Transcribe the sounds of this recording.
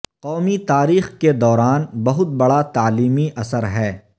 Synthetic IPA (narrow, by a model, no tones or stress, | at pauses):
qɔːmit̪aːɾiːxked̪ɔːɾaːnbɐɦʊt̪̚bɐɽat̪aːliːmiʔɐsəɾɦɛː